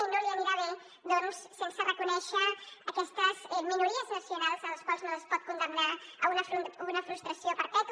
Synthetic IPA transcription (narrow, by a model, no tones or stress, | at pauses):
noliamiɾaβe | d̪ɔnsːensərəkunɛʃəːkɛst̪əzɛminuɾiəznəsijunalˠzələskwalˠznoləspɔt̪̚kund̪əmnaəunəfunəfɾust̪ɾəsjopəɾpɛk̪